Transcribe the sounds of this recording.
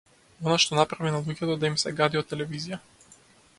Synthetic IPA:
ɔnaʃt̪ɔnapɾavinalˠuɟɛt̪ɔd̪aimsɛɡad̪iɔt̪ːɛlɛvizija

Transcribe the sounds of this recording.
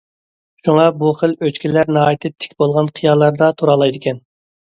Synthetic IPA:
ʃuŋɑbuqəlˠøt͡ʃkʲilæɾnɑɑːjit̪ʰɪt̪ʰːɪ̥kʲbolˠʁɑnqʰijɑlˠːɑɾd̪ɑt̪ʰuɾɑlˠɑjd̪ɪkʲɛn

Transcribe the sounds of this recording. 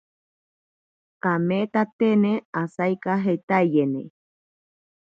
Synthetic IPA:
kamet̪at̪eneasajkaɦet̪aijenḛ

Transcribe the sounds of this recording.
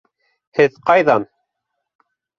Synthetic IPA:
hɘðqɑjðɑn

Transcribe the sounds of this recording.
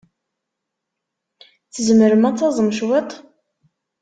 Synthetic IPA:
t͡sːəzəməɾəmæt͡s̪ːɑzˤəmʃwet̪ˤ

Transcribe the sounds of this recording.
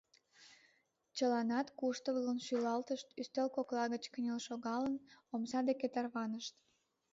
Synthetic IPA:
t͡ɕəlɑnɑt̪kuʃt̪əβlənʃylɑlt̪əʃt̪yst̪elkoklɑɣət͡ɕkənʲelʃoɣɑlənomsɑd̪eket̪ɑrβɑnəʃt̪

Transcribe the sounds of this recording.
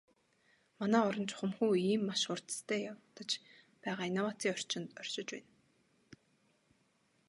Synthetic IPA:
manæːɔɾɞ̆nt͡ɕχʊmxuːiːmːaʃʊr̥t̪ə̥st̪ʰæːjawt̪ə̆t͡ɕ | pæːʁaːinawaːt͡s̪ʰiːɔr̥t͡ɕɪ̆nt̪ɔr̥ʲʃɪ̆t͡ɕpæ̰ːn

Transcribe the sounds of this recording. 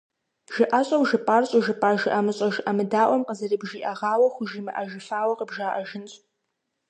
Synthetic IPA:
ʒ̥ɪʔaɕʼɐwʒɨpʼaːrɕʼʊʒɨpʼaːʒɪʔamɨɕʼɐʒʔamɨdaːʔʷɔmqəzɐrɨbʒiːʔɐʁaːwɐxʷʊʒimɨʔaʒɪfaːwɐqəbʒaːʔɐʒɪnɕʼ

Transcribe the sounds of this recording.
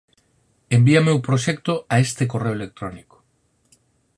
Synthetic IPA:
embiamewpɾoʃɛk̚t̪oaest̪ekoreoelek̚t̪ɾoniko̥

